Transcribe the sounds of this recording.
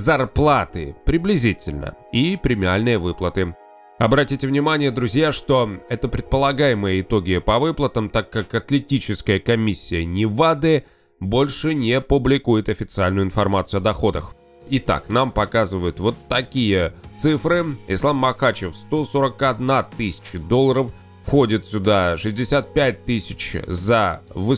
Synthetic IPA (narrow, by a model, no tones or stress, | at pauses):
zɐrplˠat̪ɨ̰pɾʲɪblʲɪzʲitʲɪlʲnə̰ipɾʲɪmʲɪalʲnɨjəvɨplˠət̪ɨ | ɐbɾɐtʲitʲɪvnʲɪmanʲɪjəd̪ɾʊzʲjaʂt̪o̞ɛt̪əpɾʲɪt̪̚pəlˠɐɡajɪməjəɪt̪o̞ɡʲɪpɐvɨplˠət̪əmt̪akːakɐt̪lʲɪtʲit͡ɕɪskəjəkɐmʲisʲːɪjənʲɪvad̪ɛ | bo̞lʲʂɨnʲɪpʊblʲɪkujɪt̪ɐfʲɪt̪sɨalʲnʊɪnfɐrmat̪sɨʉɐd̪ɐxo̞d̪əx | ɪt̪a̰knampɐkazɨvəjʊt̪vo̞t̪ːɐkʲijət̪sɨfɾɨɪ̰slˠamːɐxat͡ɕɪfst̪o̞so̞ɾəkɐd̪nat̪ɨsʲɪ̥t͡ɕɪd̪o̞lˠəɾəf | fxo̞dʲɪt̪sʲʊd̪aʂɨzʲdʲɪsʲat̪̚pʲæt̚ʲt̪ɨsʲɪt͡ɕzɐvɨ